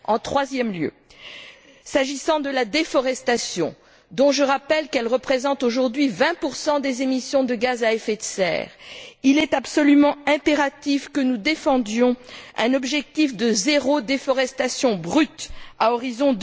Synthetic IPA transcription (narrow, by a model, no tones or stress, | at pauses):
ɑ̃t̪χwazjɛmljø̰ | saʒisɑ̃d̪əlad̪efɔʁɛst̪asjɔ̰̃ | d̪ɔ̃ʒəʁapɛlkɛlʁəpχezɑ̃t̪oʒuʁd̪ɥivɛ̃puʁsɑ̃d̪ezemisjɔ̃d̪əɡazaɛfet̪sɛ̰ːʁilɛt̪apsɔlymɑ̃ɛ̃peʁat̪ifkənud̪efɑ̃d̪jɔ̃ɛ̃nɔbʒɛk̚t̪ifd̪əzeʁod̪efɔʁɛst̪asjɔ̃bʁyt̪aɔʁizɔ̃d̪